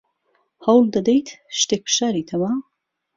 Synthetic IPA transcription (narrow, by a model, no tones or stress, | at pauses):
hɐwld̪ɐd̪ejt̪ʰʃt̪eːk̚pʰɨ̥ʃaːɾiːt̪ʰɐma